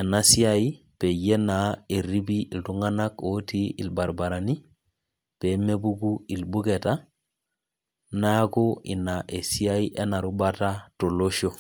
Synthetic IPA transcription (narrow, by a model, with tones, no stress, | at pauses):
e˨na˦si˦a˦i˦ | pe˨je˦na˨e˨ɾi˦bi˦i˨ltu˦ŋa˦na˦ko˦ti˦i˨lba˨ɾba˨ɾa˨ni˦ | pe˨me˦bu˦ɡu˦i˨lbu˦ɡe˨ta˦ | na˦ko˦ḭ˨na˨ʔe˨si˦a˦i˦ʔe˦na˨ɾu˦ba˦ta˦to˨lo˦ʃo˨